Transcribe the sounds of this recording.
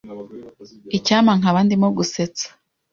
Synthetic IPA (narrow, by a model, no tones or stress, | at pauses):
icaːmaŋaβandimoɡuset͡sḁ